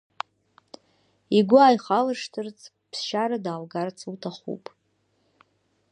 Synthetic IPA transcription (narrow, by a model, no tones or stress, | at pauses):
iɡʷʊaːjχalɨʂtʰɨrt͡sʰʼ | pʰsʃaɾadaːlɡart͡sʰʼutʰaχṵpʼ